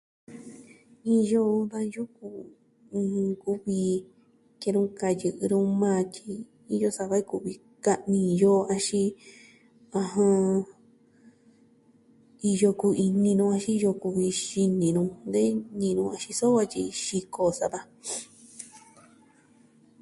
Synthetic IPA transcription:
i˧jo˧ðã˧ju˦kũ˧ | ku˦βi˧ | ke˧ɾũ˦ka˧jɨ˧ʔɨ˧ɾũ˦mãː˦˧t͡ʃi˧ | i˧jo˧sa˧βa˧˦i˦ku˧˨βi˧ | ka˦˧ʔnĩ˧jo˦a˧ʃi˧ | ã˧ɦã˧ | i˧jo˧ku˧i˧nĩ˧nũ˧a˧ʃi˦˧jo˧ku˧βi˧ʃi˧nĩ˨nũ˧nd̪e˦nĩ˧nũ˧a˧ʃi˧so˦βa˧t͡ʃi˧ʃi˧kʰo˧sa˧βa˧

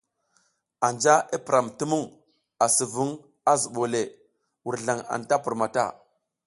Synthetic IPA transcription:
a˨nd͡ʒa˦ʔi˦pi˨ɾa˨mti˦mu˦ŋ | a˨si˨vu˦ŋ | a˦zu˨ɓo˨le˨ | wu˨ɾɮa˨ŋa̰˨nta˦pu˨ɾma˨ta̰˦˨

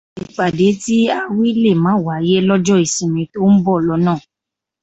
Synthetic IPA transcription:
i˨k͡pa˨de˨˦ti˦a˧wi˦le˦˨mã˨˦˨wa˨˦je˦lɔ˦d͡ʒɔ˦i˨sĩ˨mĩ˨˧˦to˦n̩˦bɔ˦˨lɔ˨˦nãː˦˨

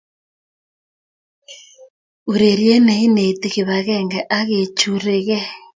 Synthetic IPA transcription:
u˨ɾe˨ɾje˦ne˨i˦ne˨te˨ɣe˨βa˨ɣɛ˦ŋɡɛ˨ʔa˦ɣe˨t͡ʃu˨ɾe˨ɣɛ˦

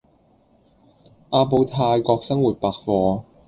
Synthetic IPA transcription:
ʔaː˧po˧wt̪ʰaː˧jkɔː˧k̚sɐ˥ŋwuː˨˩t̚paː˨k̚fɔː˧

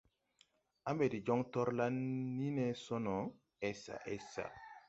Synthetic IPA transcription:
a˦mbe˨di˨d͡ʒɔ˦ŋtɔ˦ɾla˦nːi˦nɛ˦sɔ˦nɔ˨ | ɛ˦sa̰˨ʔɛ˦sa̰˨

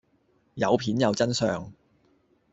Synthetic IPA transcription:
jɐ̰˨˧wpʰiː˨˥njɐ˨wt͡sɐ˥nsœ̰ː˨˧ŋ

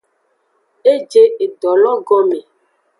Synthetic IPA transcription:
e˦d͡ʒe˦e˨dɔ˨lɔ˦ɡɔ˦me˨

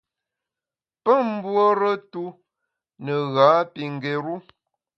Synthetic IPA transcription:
pə˦˨m̩˦bwo˦ɾə˦tu˦ | nə˨ɣaː˨˦pi˨ŋ̩˨ɡe˨ɾu˦

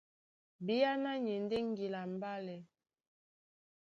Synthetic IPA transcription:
bi˦ja˦na˦ɲi˨n˦de˦ŋ˦ɡi˨la˨m˨ba˦lɛ˨

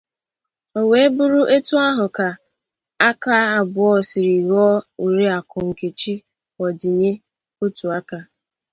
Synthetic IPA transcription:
o˨we˨e˦bʊ˦ɾu˦ʔe˦tu˦a˦ɦʊ˨ka˨ | a˦ka˦a˨bʊ˨ɔ˦sɪ˨ɾi˨ɣɔ˦u˨ɾe˦a˨kɔ˨ŋ̩˨ke˨t͡ʃi˦ | wɔ˨di˨ɲe˦ | o˦tu˨a˦ka˦

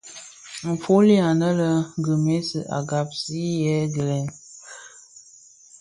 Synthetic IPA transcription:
m̩˨fo˦li˦a˨nə˦lə˦ŋ˦ɡə˨me˦sə̰˨ʔa̰˨ɡa˨p̚si˦jɛ˦ɡə˨lɛ˨˦n

